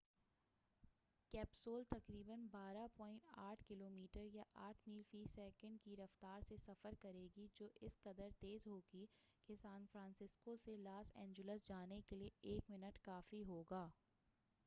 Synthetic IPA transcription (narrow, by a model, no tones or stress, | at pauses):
kɛːpsoːlt̪ɐkɾiːbənbaːɾapɔ̃ːɪ̃ɳʈaːʈʰkɪloːmiːʈəɾjaʔaːʈʰmiːlfiːsɛːkə̃ɳɖkiɾɐft̪aːɾsesɐfəɾkɐɾeːɡid͡ʒoːʔɪskɐd̪əɾt̪eːzɦoːɡikesaːnfɾãːnsɪskoselaːsɛ̃ːɲd͡ʒʊləsd͡ʒaːnekelieeːkmɪnəʈkaːfiɦoːɡaː